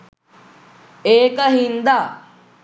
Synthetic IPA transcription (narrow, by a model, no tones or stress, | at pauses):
eːkəɦind̪a